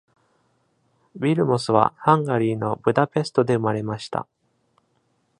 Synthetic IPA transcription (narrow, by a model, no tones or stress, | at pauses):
bʲiɾɯ̟mo̞sɨβ̞a̰hãŋɡaɾʲiːno̞bɯ̟d̪ape̞sɨ̥t̪o̞d̪e̞ɯ̟maɾe̞maɕi̥t̪a̰